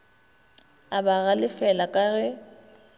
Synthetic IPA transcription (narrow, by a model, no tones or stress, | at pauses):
abaɣalɪfɛlakʼaɣɛ